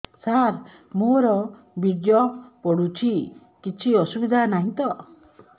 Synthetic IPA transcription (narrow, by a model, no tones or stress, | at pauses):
saɾ | moɾɔ | biɖjɔpɔɽut͡ʃʰi | kit͡ʃʰiɔsubid̪ʱanaɦĩt̪ɔ